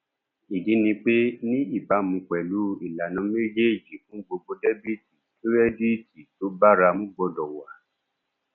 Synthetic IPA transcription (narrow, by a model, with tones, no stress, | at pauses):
i˨di˨˦nĩ˧k͡pe˦nĩ˦i˦˨ba˨˦mũ˨˧k͡pɛ˨lu˨˦i˦˨la˨nã˨˦me˦d͡ʒe˦˨d͡ʒi˨fũ˨˦ɡ͡bo˧ɡ͡bo˧de˦bi˦˨ti˨tu˦ɾɛ˦di˦ti˨to˨˦ba˦ɾa˧mũ˦ɡ͡bɔ˧dɔ˨wa˨˦